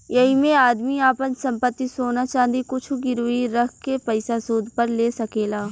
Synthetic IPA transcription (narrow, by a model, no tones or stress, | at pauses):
jɐɦimẽaːd̪miaːpənsɐ̃mpət̪ːisoːnat͡ʃãːnd̪ikʊt͡ʃʰuɡɪɾuiɾɐkʰkepɐɪsasuːd̪ʱpɐɾleːsɐkeːlaː